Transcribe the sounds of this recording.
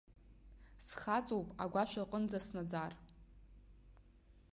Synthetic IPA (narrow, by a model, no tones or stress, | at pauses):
sχat͡sʼowpʼa̰ɡʷaʃʷᶣaqʼənd͡zasnad͡zar